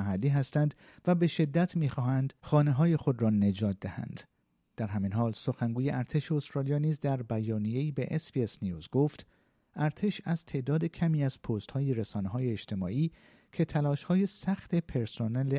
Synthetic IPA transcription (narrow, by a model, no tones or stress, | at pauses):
æɦælːiːɦæst̪ænd̪ | væbe̞ʃe̞d̪ːæt̪ʰmiːxɒːɦænd̪̥xɒːne̞ɦɒːje̞xod̪rɒːne̞d͡ʒɒːt̪̚d̪æhæ̰nd̪̥ | d̥̪æɾɦæminɦɒːlso̞xæŋɡuːje̞ʔæɾt̪ʰe̞ʃe̞ost̪ɾɒːlijɒːniːzd̪æɾbæjɒːnije̞iːbe̞ʔespiesnijuːzɡo̞ːft̪ | ʔæɾt̪ʰe̞ʃæzt̪ʰe̞ʔd̪ɒːd̪e̞cʰæmiːæz̥pʰoːst̪hɒːjeɾesɒːneɦɒːjeːd͡ʒt̪ʰe̞mɒ̰ːʔiː | kʰe̞t̪ʰælɒːʃhɒːje̞sæxt̪e̞pʰe̞ɾsonele